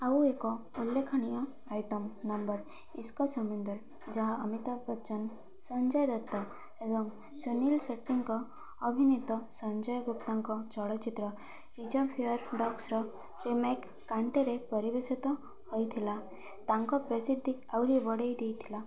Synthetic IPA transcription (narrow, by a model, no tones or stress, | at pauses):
awekɔulːekʰɔñijɔ | ajʈɔmnɔmbɔɾ | iskɔsɔmund̪ɔɾ | d͡ʒaɦaəmit̪abɔt͡ʃɔn | sɔnd͡ʒɔjd̪et̪ːɔ | ebɔŋ | sunilseʈːiŋkɔː | bʱinit̪ɔsɔnd͡ʒɔjɔɡupt̪aŋkɔt͡ʃɔɭɔt͡ʃit̪ɾɔ | ɾid͡ʒɔpʰijɔɾɖɔksɾɔ | ɾimekːaɳʈeɾepɔɾibesit̪ɔ | hojt̪ʰila | t̪aŋkɔpɾɔsid̪ʱːiawɾibɔɽejd̪ejt̪ʰila